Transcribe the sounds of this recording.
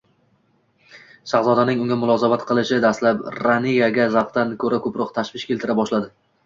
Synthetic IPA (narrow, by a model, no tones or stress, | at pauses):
ʃaʁzɒd̪anɪŋʊŋɡʲamʊlˠɒzabat̪qʰɨlˠɪʃɪd̪aslapɾanijaɡʲazaqt̪ankʰɵɾakʰɵpɾɒqt̪ʰaʃvɪʃkʲʰe̞lˠt̪ʰɪɾabɒʃlad̪ɪ